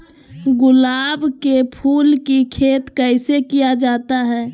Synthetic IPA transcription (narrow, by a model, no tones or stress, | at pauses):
ɡʊlaːbkepʰuːlkikʰeːt̪kəɪsekijad͡ʒaːt̪aɦɛ̃ː